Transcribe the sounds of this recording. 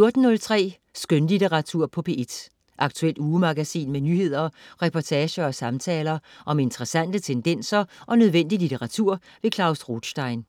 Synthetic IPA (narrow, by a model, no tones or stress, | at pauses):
jo̝ɐd̥n̩ːɔ̽lt͡sʰʁɛ̰ː | sɡ̥ønlit͡sʰeʁɑ̈t͡sʰuɐ̰pʰɒ̽pʰe̝e̝d̥ | ʔɑ̈ɡ̥̚t͡sʰuel̰d̥uːmɑ̈ɡ̥æsḭːnmenyːhe̝ð̞̰ˠɐʁɛpʰɒt͡sʰɛːɕɐɒ̽sɑ̈mt͡sʰɛːlɐʔɒ̽me̝nt͡sʰəʁɐsæn̰d̥ət͡sʰend̥en̰sɐʔɒ̽nøð̞ˠʋen̰d̥ilit͡sʰeʁɑ̈t͡sʰuɐ̰ | ʋe̝kʰlɑ̈ʊsʁod̥ɕd̥ɑ̈ɪn